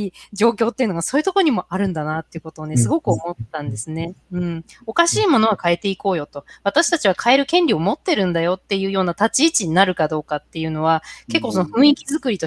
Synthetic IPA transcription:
id͡ʑo̞ːkʲo̞ːt̪ːe̞iɯ̟noɡaso̞ːjɯ̟t̪o̞koɲ̟imo̞ʔaɾɯ̟̃nd̪anat̪ːe̞iɯ̟ko̞t̪o̞ːne̞sɨɡo̞kɯomo̞t̪ːãnd̪e̞sɨne̞ɯ̟̃ɴo̞kaɕiːmo̞noβakae̞t̪e̞iko̞ːjo̞t̪o̞βat̪aɕi̥t̪at͡ɕiβ̞akʰae̞ɾɯ̟kẽ̞ɲʲɾʲio̞mo̞t̪ːe̞ɾɯ̟̃nd̪ajo̞t̪ːe̞jɯ̟ːjo̞ːnat̪at͡ɕiːt͡ɕiɲ̟inaɾɯ̟kad̪o̞ːkat̪ːe̞jɯ̟no̞βake̞kːo̞ːso̞noɸɯ̟̃ikʲizɨkɯ̟ɾʲit̪o

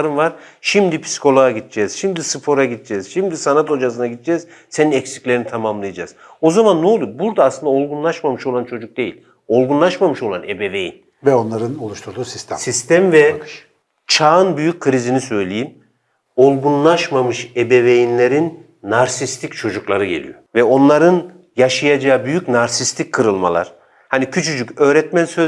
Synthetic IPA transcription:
ɾɯnvaɾ̥ʃimd̪ipʰi̥si̥ko̞lˠoaɟit̪ʰd͡ʒɛːz̥ʃimd̪isɯfo̞ɾaɟid̪̚d͡ʒɛːz̥ʃimd̪isanat̪o̞d͡ʒas̬ɯnaɟit̪̚ʰd͡ʒɛz | se̞ninɛcsi̥clʲeinit̪ʰamamlˠɯjad͡ʒa̰ːz̥ | o̞zamanːoːlˠubuɾd̪aaslɯnd̪ao̞lˠɡunlˠaʃmamɯʃo̞lˠant͡ʃʰo̞d͡ʒuk̚d̪e̞jḭlʲ | o̞lˠɡunlˠaʃmamɯʃo̞lˠanebevejḭn | vɛo̞nlˠaɾɯnolˠuʃt̪ʰuɾd̪uːsist̪ʰɛ̰sist̪ʰɛmvɛ | t͡ʃʰaːɯnbyjyc̚kʰːɯɾizinisø̞jlʲejim | o̞lˠɡunlˠaʃmamɯʃebevejinlʲeɾinː | aɾsist̪ʰic̚t͡ʃʰo̞d͡ʒuklˠaɾɯɟe̞lʲḭjo̞̰vɛo̞nlˠaɾɯn | jaʃajad͡ʒaːɯbyjycnaɾsist̪ʰickʰːɯɾɯlˠma̰lˠa̰ɾ̥ | hanicʰyt͡ʃʰyd͡ʒycø̞ːɾɛt̪mænsøz

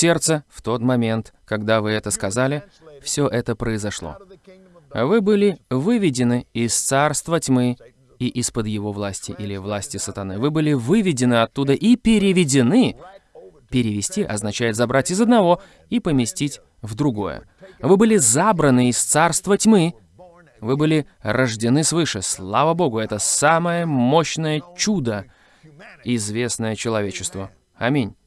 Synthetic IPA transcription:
sʲe̞rt̪səft̪o̞t̪mɐmʲe̞nt̪kɐɡd̪avɨɛt̪əskɐzalʲɪ | fsʲoʔɛt̪əpɾəɪzɐʂlˠo̞̰ | vɨbɨlʲɪvɨvʲɪdʲɪnɨɪst̪sarst̪vətʲmɨ | iʔispəd̪jɪvo̞vlˠasʲtʲɪʔilʲɪvlˠasʲtʲɪsət̪ɐnɨvɨbɨlʲɪvɨvʲɪdʲɪnɨɐt̪ːud̪əʔipʲɪɾʲɪvʲɪdʲɪnɨ | pʲɪɾʲɪvʲɪsʲtʲiʔɐ̰znɐt͡ɕæjɪt̪zɐbɾatʲɪzəd̪nɐvo̞ | ipəmʲɪsʲtʲitʲ | vd̪ɾʊɡo̞̰jə̰ | vɨbɨlʲɪzabɾənɨɪst̪sarst̪vətʲmɨ | vɨbɨlʲɪ | rəʐdʲɪnɨsvɨʂɨslˠavəbo̞ɡʊɛt̪əsaməjəmoɕnəjət͡ɕud̪ə | ɪzvʲe̞snəjət͡ɕɪlˠɐvʲet͡ɕɪst̪və | ɐmʲinʲ

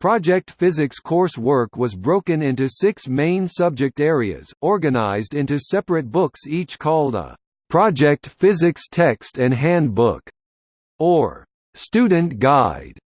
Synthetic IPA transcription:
pʰɹ̥ɑd͡ʒɛk̚tfɪzɨkskʰɔɹswɜ˞kwʌzbɹoʊkɨ̃nɪ̃ntʉsɪksmẽɪ̃nsʌb̚d͡ʒɨk̚tɛɹiɨ̰z̥ɔɹɡɨna̰ɪzdɪ̃ntʉsɛpɹɨt̚b̥ʊksit͡ʃkʰɔlˠdə̰ | pʰɹ̥ɑd͡ʒɛk̚tfɪzɨkstʰɛkstɨ̃nɦæ̃nbʊ̰k | ə˞ | stʉdⁿn̩ɡ̥aɪd̥

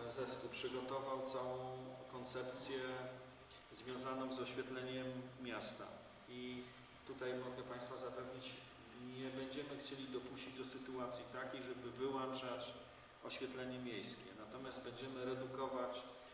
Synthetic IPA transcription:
zɛspulpʂɘɡɔt̪ɔvawt̪sawɔ̃w̃kɔnt̪sɛpt̪sʲjɛ | zvʲjɔ̃w̃zanɔ̃zɔɕfʲjɛt̪lɛɲɛmːʲjast̪a̰ | i | t̪ut̪ajmɔɡɛpaj̃st̪fazapɛvɲit͡ɕ | ɲɛbɛɲd͡ʑɛmɘxt͡ɕelʲid̪ɔpuɕt͡ɕid͡ʑd̪ɔsɘt̪uat̪sʲjit̪akʲejʐɛbɘvɘwant͡ʂat͡ɕ | ɔɕfʲjɛt̪lɛɲɛmʲjejskʲɛ̰nat̪ɔmʲasd̪̚bɛɲd͡ʑɛmɘɾɛd̪ukɔvat͡ɕ

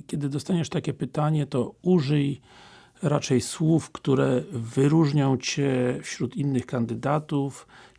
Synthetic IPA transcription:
kʲjɛd̪ɘd̪ɔst̪aɲɛʂt̪akʲɛpɘt̪aɲɛt̪ɔuʐɘj | ɾat͡ʂɛjswufkt̪uɾɛvɘɾuʐɲɔ̃w̃t͡ɕɛfɕɾut̪inːɘxkand̪ɘd̪at̪uf

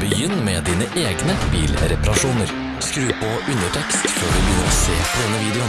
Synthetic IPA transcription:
bəjʏnːmeːd̪iːnəʔeːɡnəbiːlɾɛpɑɾɑʃuːnəɾ | skɾʉːpoʔʉnəʈʰɛkst̪føːɖʉbjʏnəɾoːseːpʰod̪ɛnːəʋiːd̪ɛʊn

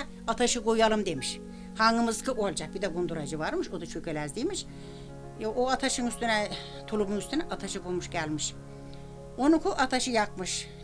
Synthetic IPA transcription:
at̪ʰaʃɯɡujalˠɯmd̪e̞miʃ | haŋɡɯmɯzkʰɯʔolˠd͡ʒak̚bid̪ɛɡund̪uɾad͡ʒɯvaɾmɯʃod̪at͡ʃʰøkølʲæzd̪ijmiʃ | ʔoat̪ʰaʃɯnyst̪ynɛ | t̪ʰulˠumunyst̪ynɛʔat̪ʰaʃɯɡumuʃɟælʲmiʃ | onukʰuʔat̪ʰaʃɯjakmɯʃ

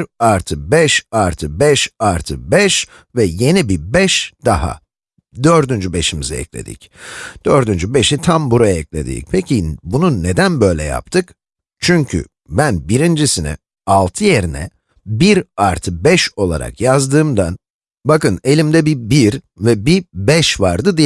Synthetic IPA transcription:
biɾaɾt̪ʰɯbɛʃaɾt̪ʰɯbɛʃaɾt̪ʰɯbɛʃ | vɛje̞nibibɛʃd̪̥aɦa̰ | d̪ø̞ɾd̪ynd͡ʒybe̞ʃimizɛɛ̰clʲe̞̰d̪ḭc | d̪̥øɾd̪ynd͡ʒybe̞ʃit̪ʰambuɾajaɛclʲe̞̰d̪ḭːcpʰecʰibunune̞d̪ænbø̞jlʲɛ̰ja̰p̚t̪ʰɯk | t͡ʃʰyɲcʰy̰ | bænbiɾind͡ʒisinɛ̰ | alˠt̪ʰɯje̞ɾinɛ̰ | biɾaɾt̪ʰɯbɛʃo̞lˠa̰ɾa̰kjazd̪ɯːmd̪an | bakɯne̞lʲimd̪ɛbibiɾ | vɛbibɛʃvaɾd̪ɯd̪i

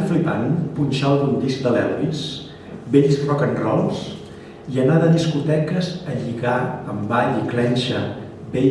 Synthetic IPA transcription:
flipanpunʲʃalˠd̪und̪isk̚d̪əlɛlβis | beʎsrɔkənrɔlˠs | iənaðəðiskut̪ɛkəzəʎiɣaəmbaʎiklɛnʲʃə | be

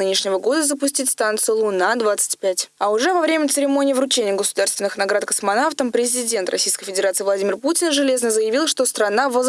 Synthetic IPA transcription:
ɨnʲɪʂnʲɪvəɡo̞d̪əzəpʊsʲtʲitʲst̪ant̪sɨjʊlˠʊnad̪vat̪sɨ̥tʲpʲætʲɐʊʐɛvɐvɾʲemʲət̪sɨɾʲɪmo̞nʲɪːvɾʊt͡ɕenʲɪjəɡəsʊd̪arst̪vʲɪnɨxnɐɡɾat̪kəsmɐnaft̪əmpɾʲɪzʲɪdʲe̞nt̪ɾʔɐ̰sʲijskəjfʲɪdʲɪɾat̪sɨːvlˠɐdʲimʲɪrputʲɪnʐɨlʲe̞znəzəjɪvʲilˠʂt̪ost̪ɾɐnavə

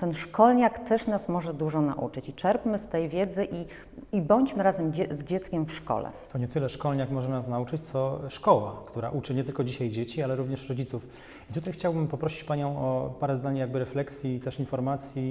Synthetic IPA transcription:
t̪ɛnʂkɔlɲakt̪ɛʂnasmɔʐɛd̪uʐɔna̰ʔṵt͡ʂɘt͡ɕit͡ʂɛɾpmɘst̪ɛjvʲjɛd̪zɘʔi | ibɔɲt͡ɕmɘɾazɛmd͡ʑzd͡ʑɛt̪skʲɛmfʂkɔ̰lɛ̰t̪ɔɲɛt̪ɘlɛʂkɔlɲakmɔʐɛnasnaut͡ʂɘt͡ɕt̪sɔʂkɔwa̰kt̪uɾa̰ʔut͡ʂɘɲɛt̪ɘlkɔd͡ʑiɕajd͡ʑet͡ɕialɛɾuvɲɛʂɾɔd͡ʑit̪suf | it̪ut̪ajxt͡ɕawbɘmpɔpɾɔɕit͡ɕpaɲɔ̃w̃ɔpaɾɛznaɲjaɡ̚bɘɾɛflɛksʲjit̪ɛʂinfɔɾmat̪sʲji

